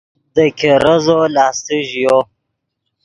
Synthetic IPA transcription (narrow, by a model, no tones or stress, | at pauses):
d̪əkʰeɾəzolɑːst̪iʒijo